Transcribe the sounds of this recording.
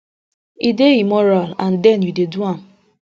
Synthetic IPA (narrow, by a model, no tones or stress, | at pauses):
ideimɔɾalãndɛnjudeduãm̩